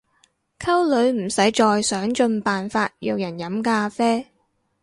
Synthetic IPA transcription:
kʰɐ˥wlɵ˨˥ɥm̩˨˩sɐ˨˥jt͡ʃɔː˧jsœː˨˥ŋt͡ʃɵ˧npaː˨nfaː˧t̚jiː˧wjɐ˨˩njɐ˨˥mkaː˧fɛː˥

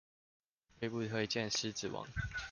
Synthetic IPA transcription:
we˥˧ɪpu˥˨t̪ʰwe˥˧ɪt͡ɕjɛ˥˨ns̩˧˦t͡sɹ̩˨˩wɑ̰˨˦ŋ

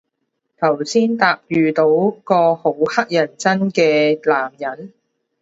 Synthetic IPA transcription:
t̪ʰɐ˨˩wsiː˥nt̪aː˧p̚jyː˨t̪o˨˥wkɔː˧ho˨˥whɐ˥k̚jɐ˨˩nt͡sɐ˥nkɛː˧laː˨˩mjɐ˨˥n

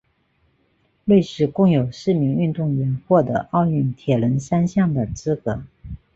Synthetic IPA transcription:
we˥˧ɪʂɻ̩˥˩kʊ˥˩ŋjo˨˩ʊʂɻ̩˥˩mi˧˥ŋy˥˧nt̪ʊ˥˩ŋɥɛ˧˥nxwɔ˥˩d̪ə̰˧˦ʔɑ˥˧ʊy˥˩nt̪ʰjɛ˨˩lə˧˥nʂa˥nɕjɑ˥˩ŋd̪ə˩t͡sɹ̩˥kɤ˧˥˦

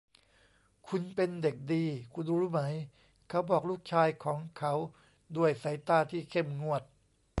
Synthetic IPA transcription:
kʰu˧npe˧nde˨˩k̚diː˧kʰu˧nɾɾuː˦˥˩ma˩˦j | kʰa˦˥wbɔː˨˩k̚luː˥˩k̚t͡ɕʰaː˧jkʰɔː˩˦ŋkʰa˦˥w | du˧˥˩əjsa˩˦jt̪aː˥˩t̪ʰiː˥˩kʰe˥˩mŋu˥˩ət̪̚

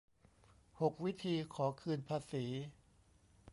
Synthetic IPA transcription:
ho˨˩k̚wi˦˥t̪ʰiː˧kʰɔː˩˦kʰɯː˧npʰaː˧siː˩˦

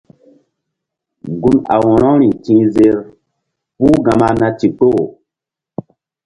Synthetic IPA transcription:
ŋ˨ɡu˦na̰˨wɔ˨ɾɔ̃˦ɾi˨tĩ˦ze˦ɾ | pu˦ɡa˨ma˦na˦ti˨k͡po˦˨

